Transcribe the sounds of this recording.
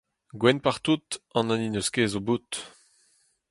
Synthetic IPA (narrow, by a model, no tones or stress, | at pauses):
ɡwɛnpaʁt̪ut̪ɑ̃nãninøskeːzobut̪